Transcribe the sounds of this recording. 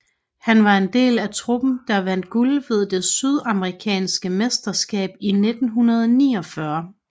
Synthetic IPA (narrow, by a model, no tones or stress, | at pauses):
hænʋɑ̈e̝nd̥e̝̰ːlæt͡sʰʁub̥n̩d̥ɑ̈ʋæn̰d̥̚ɡ̥ulʋe̝ð̞ˠd̥e̝syð̞ˠɑ̈məʁikʰɛ̰ːnsɡ̥əmesd̥ɐsɡ̥ɛ̰ːb̥ine̝d̥n̩ɦunɐð̞ˠnḭːɒfɶɐ